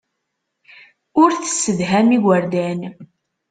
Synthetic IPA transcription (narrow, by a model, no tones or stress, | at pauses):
ʊɾθə̥sːəðɦæmiɡəɾd̪æn